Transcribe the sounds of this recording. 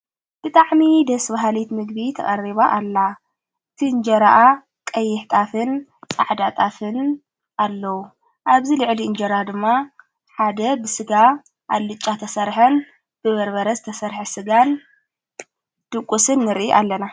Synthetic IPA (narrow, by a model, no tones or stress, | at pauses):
b̥ɨt̪ʼaʕmid̪ɐsbaɦalit̪mɨɡ̚bit̪ʰɐ̰kʼɐriβaʔːlːa | ɨt̪ʰiɨnd͡ʒɐɾaʔa | kʼɐjːɪħt̪ʼafɨnt͡sʼa̰ʕd̪at̪ʼafɨn | ʔalːɐwu | ʔaβzilɨʕliɨnd͡ʒɐɾad̪ɨmːa | ħad̪ɐbɨsɨɡa | ʔalːɨt͡ʃʼːat̪ʰɐsɐɾħɐn | b̥ɨβɐɾbɐɾɐzɨt̪ʰɐsɐɾħɐsɨɡan | d̪̥ɨkʷʼːusɨnːɨɾʔiʔalːɐna